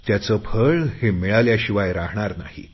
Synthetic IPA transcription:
t̪jat͡səpʰəɭhemiɭaljaɕiʋajɾaɦɳaɾna̰hḭ

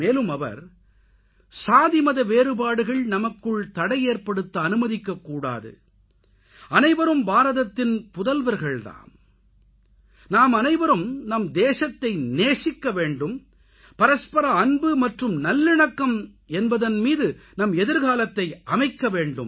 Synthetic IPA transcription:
meːlɯmɐʋɐ̰ɾ | saːðɪmɐðɐʋeːɾɯbaːɽɯɣɐɭnɐmɐkːɯɭt̪ɐɽɐɪeːɾpɐɽɯt̪ːɐɐnɯmɐðɪkːɐkːuːɽa̰ːðɯ̰ | ɐnɐɪʋɐɾɯmbaːɾɐðɐt̪ːɪnpʊðɐlʋɐɾɣɐɭt̪a̰ːn | naːmɐnɐɪʋɐɾɯmnɐmd̪eːsɐt̪ːɐɪneːsɪkːɐʋeːɳɖɯm | pɐɾɐspɐɾɐːɳbɯmɐʈrɯmnɐlːɪɳɐkːɐm | ɛnbɐðɐnmiːðɯnɐmɛðɪɾɣaːlɐt̪ːɐɪʔɐmɐɪkːɐʋeːɳɖɯm

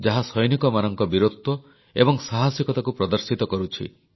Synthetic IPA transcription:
d͡ʒaɦasɔjnikɔmanɔŋkɔbiɾot̪ːɔ | ebɔŋsaɦasjɔkɔt̪akupɾɔd̪ɔɾsit̪ɔkɔɾut͡ʃʰḭ

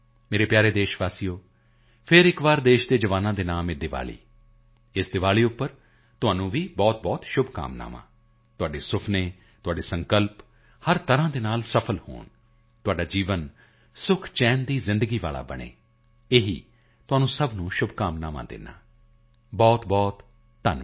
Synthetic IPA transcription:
meːɾeːpjaːɾeːd̪eːʃʋaːsiːoː | pʰɪɾɪkʋaːɾd̪eːʃd̪eːd͡ʒəʋaːnãːd̪eːnaːmed̪ɪʋa̰ːlḭː | ɪsd̪ɪʋaːliːʊpːəɾ | t̪ʊaːnũːʋiːbɔːt̪̚bɔːt̪ʃʊbka̰ːmna̰ːmã̰ː | t̪ʊaːɖeːsʊpʰneː | t̪ʊaːɖeːsə̃ŋkəlp | həɾt̪əɾãːd̪eːnaːlsəpʰəlho̰ːn | t̪ʊaːɖaːd͡ʒiːʋən | sʊkʰt͡ʃɛːnd̪iːzɪ̃nd̪əɡiːʋa̰ːla̰ːbə̰ɽḛː | eːɦḭː | t̪ʊaːnũːsəbnũːʃʊbʱkaːmnaːmã̰ːd̪ɪ̰nːa̰ː | bɔːt̪bɔːt̪ː | ən

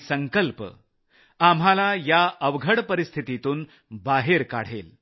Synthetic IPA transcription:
səŋkəlpə | am̤alajaəʋɡʱəɽpəɾist̪ʰit̪it̪uːn | baɦeɾka̰ɽ̤ḛl

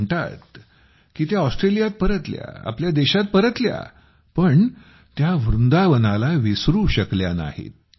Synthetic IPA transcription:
ɳʈa̰t̪ | kiːt̪jaɔsʈɾelijat̪̚pəɾət̪lja̰a̰pljad̪eɕat̪̚pəɾət̪lja̰ | pəɳ | t̪jaʋɾund̪aʋənalaʋisɾuɕəkljana̰hḛt̪̚

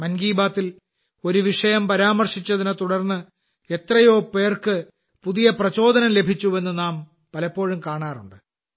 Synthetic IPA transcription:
mɐnɡiːbaːt̪ːil | o̞ɾuʋiʂɐjɐmpɐɾaːmɐrʂit͡ɕːɐðinɐt̪uɽɐrnːɨ | e̞t̪rɐjo̞ːpe̞ːrkɨ | puðijɐprɐt͡ɕo̞ːd̪ɐnɐmle̞bʱit͡ɕːue̞nːɨnaːm | pɐlɐpːo̞ːɻumkaːɳaːruɳɖɨ

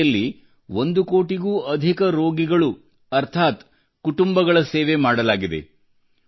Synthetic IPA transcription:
ɐlːi | ʋond̪ukoːʈiɡuːɐd̪ʱikɐɾo̞ːɡiɡɐɭu | ɐɾt̪ʰaːt̪ | kuʈumbɐɡɐɭɐseːʋemaːɽɐlaːɡid̪e̞̰

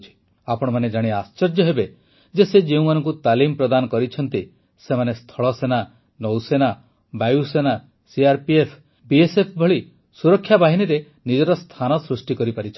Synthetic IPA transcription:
t͡ʃʰi̥ | apɔɽ̃ɔmaned͡ʒaɽ̃iast͡ʃɔɾd͡ʒjɔɦebe | d͡ʒesed͡ʒeũmanɔŋkut̪alimpɾɔd̪anɔkɔɾit͡ʃʰɔnt̪i | semanest̪ʰɔɭɔsena | nɔwsena | bajusena | siaɾpiepʰ | biesepʰbʱɔɭi | suɾɔkʰːjabaɦiniɾe | nid͡ʒɔɾɔst̪ʰanɔsɾusʈikɔɾipaɾit͡ʃʰɔ

